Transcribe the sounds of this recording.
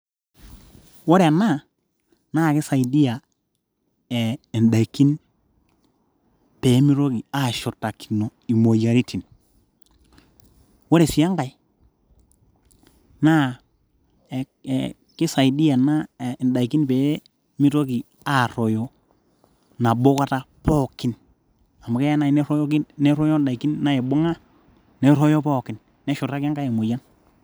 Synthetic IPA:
wo˦ɾe˨a˨na˦˨ | naː˦˨kɪ˦sa˨i˨di˦a˨ | ɛ˨ɛ˨nda˨i˨kːi˦n | pe˨˦mi˦ɾo˦ki˨a˦˨ʃɔ˨tːa˨ki̥˨no˨i˨mo˨ja˨ɾi˦tʰi˨n | wo˦ɾe˨si˨˦a˦ŋɡa˨i˦ | na˦˨ | kɪ˦sa˨ɪ˨di˦ja˨na˦˨da˨i˨ki˦npe˨˦ | mi˦to˦ki˨ | a˨ɾɔ˨jɔ˨ | na˨bo˦ka˦ta˦ | pɔ˦˨kɪ˦n | a˨ma˨kɛ˦ja˦na˦˨n˦ɾɔ˦jki˦nɛ˦ɾɔ˦jɔ˦nda˨i˨ki˦nna˦ɛ˨bʊ˦ŋa˦ | nɛ˨ɾɔ˦jɔ˦pɔ˦˨kɪ˨n | nɛ˦ʃʊ˨ta˦kɪ˦ɡa˦i˨mo˨ja˦n

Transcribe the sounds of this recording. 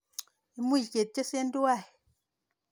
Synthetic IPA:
i˨mu˦˨ke˨t̚t͡ʃe˦se˦n˦du˦wa˦˨

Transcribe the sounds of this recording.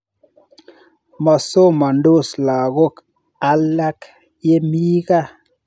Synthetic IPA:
ma˨so˦ma˨n˦do˦˨sla˨ɣo˦k | a˧la˦k | je˦mi˦ɣa˦˨

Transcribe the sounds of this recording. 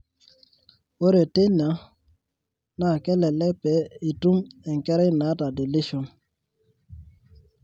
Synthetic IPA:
o˦ɾe˨te˦na˨˦ | na˦˨kɛ˦lɛ˨lɛ˦pɛ˨˦i˨tu˦mɛ˨ŋ˨kɛ˦ɾɛ˦na˨˦ta˨de˨li˦ʃo˨n

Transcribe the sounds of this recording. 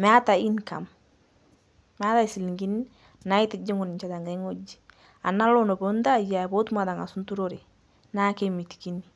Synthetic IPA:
mɛ˨a˦ta˨i˦nka̰˨m | mɛ˨a˦ta˦i˨si˨li˨ŋɡi˦ni˦ | na˨˦i˦tɪ˨d͡ʒi˦ŋʊ˨n˨ɲt͡ʃa˨ta˨ŋɡa˨˦ŋo˦d͡ʒi̥˨ | a˨na˦lo˦nɔ˨bɔ˨˦nda˦˨ja˨bo˦tma˨da˨ŋa˨su˦ntu˦ɾo˦ɾe˨ | na˦ke˦mi˨ti̥˨ki˦ni˨

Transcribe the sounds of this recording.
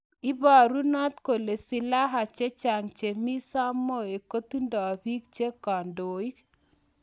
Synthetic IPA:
i˦ba˨ɾu˦nɔ˦t̪̚ko˨le˨sɪ˨la˦ɦa˨t͡ʃe˦t͡ʃa˨ŋt͡ʃe˨mi˦sa˦mːo˦˨e˨ko˦t̪u˦ndɔ˨bi˦k̚t͡ʃe˦kɔ˨ndo˨i˦k

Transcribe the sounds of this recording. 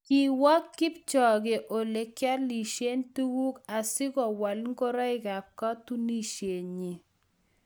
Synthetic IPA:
ki˨wa˦kːɪ˦p̚t͡ʃɔ˨ɡe˨ʔo˨le˨kja˦li˨ʃe˦ntu˦wu˦ka˨sɪ˦kɔ˨wa˨lŋ˦ko˦ɾɔ˦ɪ˨ɡa˨p̚ka˦tu˦ni˦ʃje˨ɲi˨

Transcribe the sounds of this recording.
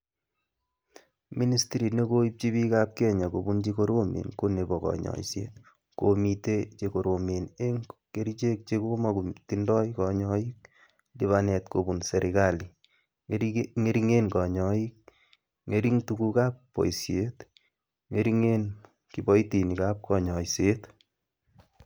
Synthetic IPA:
mi˦ni˦stiɾi˨ne˦ko˦ip̚t͡ʃi˦βi˦kap̚kɛ˦ɲa˨ko˨bu˦nt͡ʃi˦ko˦ɾo˦mḛ˨nko˦ne˨bɔkɔ̰˨ɲɔ̰˨isjḛ˦t | ko˨mitet͡ʃeko˨ɾo˨me˨ne˦ŋke˦ɾit͡ʃe˦k̚t͡ʃeko˦maku˨tindɔ˦jkɔ˨ɲɔ˦i˦k̚ | di˦βanɛ˨tko˨bu˨nse˨ɾʔi˨ka˨li˨ | ŋe˦ɾiŋe˦nkɔ˨ɲɔi˦k̚ | ŋe˨ɾi˦ŋtu˦ku˦ka˦pːo̰˨i˨sje˦t | ŋe˦ɾi˦ŋe˦n | kibɔ˦jti˨ni˨ka˦p̚kɔ˨ɲɔ˨jse˦t

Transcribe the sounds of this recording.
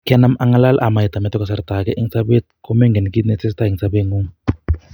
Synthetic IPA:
kɛ˦na˦ma˦ŋa˦la˦lʔa˨ma˨i˨t̪a˨mɛ˦t̪ɛ˦kɔ˨s̬a˦ɾd̪a˨kɛ˦ʔi˦ŋt͡sa˦be˦t̪̚ku˦mɛ˦ŋɡɛ˨ni˨ki˦t̪nɛ˨t͡se˦st̪a˦i˨ŋt͡sʰabe˦ŋɡu˦m

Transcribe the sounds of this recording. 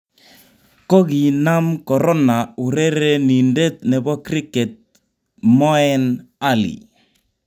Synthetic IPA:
kɔ˦ɣi˨na˦mkɔ˨ɾɔ˦na˨u˨ɾe˦ɾe˦ni˨nde˦t̪̚nɛ˨bɔ˦kɾi˦kɛ˨t̪̚ | mɔ˦ɛ˦na˦lḭ˨

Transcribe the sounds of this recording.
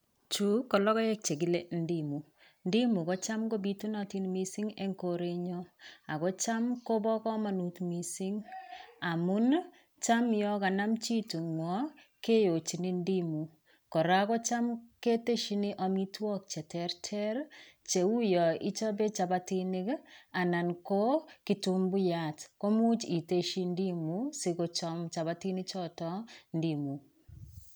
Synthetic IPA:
t͡ʃu˦kɔ˨lɔ˦kɔ˦jɛ˦k̚t͡ʃe˨ɡi˦le˦n̩di˦mu˨ | ndi˦mu˨kɔ˦t͡ʃa˦mko˦bi˦tu˦nɔ˦ti˦nmi˦si˦ŋḛ˦ŋko˦ɾe˦ɲɔ˦a˨kɔ˦t͡ʃa˦mko˦bɔ˦kɔ˦ma˨nu˨tmi˨si˦ŋa˨mʊ˦n | t͡ʃa˦mjɔ˦ka˨na˦mt͡ʃi˦tu˨ŋwɔ˦ | ke˦jo˨t͡ʃi˨ni˦ndi˦mu˨ | kɔ˨ɾa˦kɔ˦t͡ʃa˦mke˦te˦ʃi˦ni˦ʔɔ˦mi˦twɔ˦k̚t͡ʃɛ˨tɛ˦ɾtʰɛ˦ɾt͡ʃe˨u˦jɔ˨i˦t͡ʃɔ˦be˦t͡ʃa˨ba˦ti˦nɪ˦ka˨na˨nko˦ki˦tu˦mbu˦ja˨tko˦mu˦t͡ʃi˨te˦ʃi˦ndi˦mu˦si˦ko˨˦t͡ʃɔ˦mt͡ʃa˨βa˦ti˦ni˦t͡ʃɔ˦tɔ˦ndi˨mu˨

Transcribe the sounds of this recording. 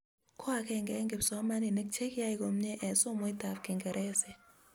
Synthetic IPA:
kʰɔ˦a˨kɛ˨ŋɡɛ˨˦ŋɡe˨psɔ˨˦ma˦nɪ˨nɛ˦k̚t͡ʃe˦ka˦i˨ko˨mɲe˦ʔɛ˨so˦mo˦i˦ta˨fkɪ˨ŋɡɛ˨ɾʔɛ˦sɛ˨

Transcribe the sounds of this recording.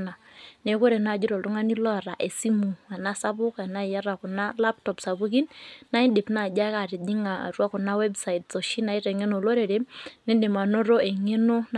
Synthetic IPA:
na˨ne˨ko˦ɾe˨na˨d͡ʒʊ˦ɾɔ˨ltʊ˦ŋa˦ni˦lɔ˦˨ɾa˨ʔe˨si˦mu˨a˨na˦sa˦pʊ˦ka˨na˦˨ja˦ɾa˨kʊ˨na˦la˦p̚tɔ˨psa˨bu˦k̬i˦nna˦ɪ˦de˨pna˨d͡ʒa˦ka˨ɾɪ˨d͡ʒi˦ŋa˨a̰˨rwa˦kʊ˨na˦wɛ˦bsa˨i˨tso˨ʃi˦na˨i˦ɾɛ˨ŋe˦no˨lo˦ɾe˨ɾe˦nɛ˦de˨ma˨no˦ɾo˦e˨ŋe˦no˦n

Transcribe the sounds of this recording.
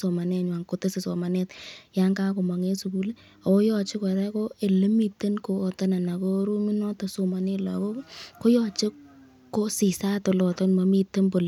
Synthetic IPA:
so˨ma˨nɛ˨ɲwa˨ŋko˨te˦se˨so˨ma˨ne˦tja˦ŋɡa˦ko˨ma˨ŋe˦su˨ku˦le˦ | a˨o˦jɔ˨t͡ʃɪ˦kɔ˨ɾa˦ko˦e˨le˦mi˨te˦nkoː˨ta˦na˨na˨ko˦ɾu˦mi˦nɔ˦to˨so˨ma˨ne˦la̰˨ko˦ko˦jɔ˨t͡ʃe˦ | ko˦si˨sa˦to˨lɔ˨tɔ˦nma˨˦mi˦tːe˦nbo˨l

